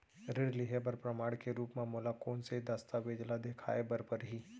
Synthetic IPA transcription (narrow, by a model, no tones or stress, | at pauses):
ɾɪɾlɪɦebəɾpɾəmaːɽkeɾuːpmaːmulakoːnseid̪ɐst̪aʋeːd͡ʒlad̪eːkʰa̰ːebɐɾpəɾɦiː